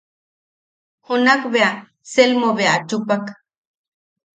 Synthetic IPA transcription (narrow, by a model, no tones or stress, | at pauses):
hunakβea | selmoβeat͡ʃupak